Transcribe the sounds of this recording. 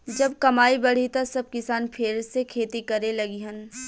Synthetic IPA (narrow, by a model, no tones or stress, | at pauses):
d͡ʒɐb̚kɐmaːibɐɽ̤it̪ɐsɐb̚kɪsaːnpʰɪɾsekʰeːt̪ikɐɾelɐɡiɦɐn